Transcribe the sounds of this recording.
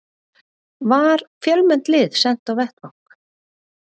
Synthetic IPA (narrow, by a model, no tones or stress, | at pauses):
vaɾfjœlmɛn̥t̪lɪðsɛn̥t̪awvɛht̪vɔŋ̥k